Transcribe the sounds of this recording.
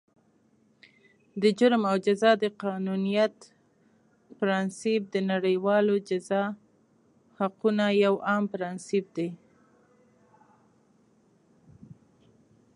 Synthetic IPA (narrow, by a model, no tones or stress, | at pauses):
d̪əd͡ʒʊɾmawd͡ʒazɑd̪əqɑnunijat̪ | pɾɑnsip̚d̪ənaɽəjwɑlod͡ʒazɑ | haqunajawɑmpɾɑnsip̚d̪e